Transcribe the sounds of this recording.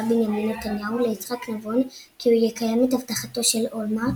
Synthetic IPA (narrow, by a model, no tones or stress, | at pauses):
binjaminːetanjaule̞it͡sχaknavon | kiujekajamethavtaχato̞ʃe̞lolma